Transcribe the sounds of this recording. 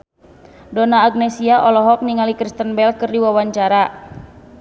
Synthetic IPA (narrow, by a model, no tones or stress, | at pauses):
dɔnaːɡ̚nɛsiaʔɔlɔɦɔk̚niŋalikɾist̪ənbɛlkərdiwawaɲt͡ʃaɾa